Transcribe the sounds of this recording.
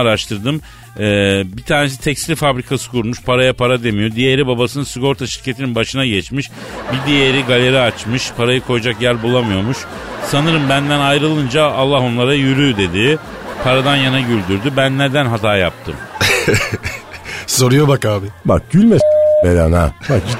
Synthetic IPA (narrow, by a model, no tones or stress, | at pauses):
ɾaʃt̪ʰɯɾd̪ɯm | ɛːbit̪ʰaːne̞s̬i̥t̪ʰɛcslʲifabɾikʰasɯ̥kʰuɾmuʃpʰaɾajapʰaɾad̪e̞mijo̞d̪ijeɾibabasɯnɯsiɡo̞ɾt̪ʰaʃiɾcʰe̞t̪ʰininbaʃɯnaɟɛt͡ʃmiʃbid̪ijeɾiɡalʲeɾiat͡ʃmɯʃpʰaɾajɯkʰo̞jad͡ʒakjæɾbulˠamɯjo̞ɾmuʃ | sanɯɾɯmbænd̪ænajɾɯlˠɯnd͡ʒaːlˠːaɦo̞nlˠaɾajyɾyd̪e̞d̪ɪ | pʰaɾad̪anjanaɟylʲd̪yɾd̪ybænːæɾd̪ænɦat̪ʰaːja̰p̚t̪ʰɯm | so̞ɾujobakaːbiba̰k̚ɟ̥ylʲmɛelʲana̰bak̚d͡ʒi